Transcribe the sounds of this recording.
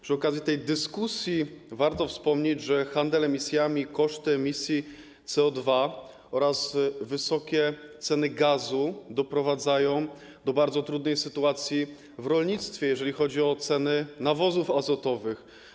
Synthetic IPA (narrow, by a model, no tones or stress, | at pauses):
pʂɘɔkazʲjit̪ɛjd̪ɘskusʲjivaɾt̪ɔfspɔmɲed͡ʑʐɛxand̪ɛlɛmʲisʲjamʲikɔʂt̪ɘɛmʲisʲji | t̪sɛɔd̪va | ɔɾazvɘsɔkʲɛt̪sɛnɘɡazud̪ɔpɾɔvad̪zajɔ̃w̃ | d̪ɔbaɾd̪zɔt̪ɾud̪nɛjsɘt̪uat̪sʲji | vɾɔlɲit̪st̪fʲjɛjɛʐɛlʲixɔd͡ʑiɔt̪sɛnɘnavɔzufazɔt̪ɔvɘx